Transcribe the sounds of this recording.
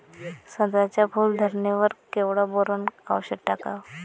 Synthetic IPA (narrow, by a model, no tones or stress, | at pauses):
səd̪ɾat͡ɕjabʱuld̪ʱəɾneʋəɾkeʋɽaboɾəna̰wɕəʈakaʋ